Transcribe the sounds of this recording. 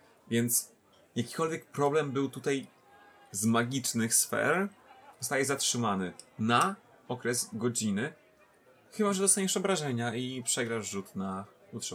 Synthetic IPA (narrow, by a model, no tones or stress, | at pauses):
vʲjɛnt̪s | jakʲi̥kɔlvʲjɛk̚pɾɔblɛmbɘwt̪ut̪aj | zmaɡʲit͡ʂnɘxsfɛ̰ɾzɔst̪ajɛzatʂɘmanɘna | ɔkɾɛzɡɔd͡ʑinɘ | xɘbaʐɛd̪ɔst̪aɲɛʂɔbɾaʐɛɲaipʂɛɡɾaʐut̪na | ut̪ʂ